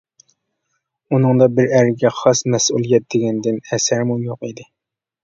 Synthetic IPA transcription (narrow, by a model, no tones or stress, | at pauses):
unɨŋd̪ɑbɪɾæɾɪɡʲɛχɑsmɛsulˠijɛt̪̚d̪eɡʲɛnd̪ɪnɛsæɾmujoqid̪ɪ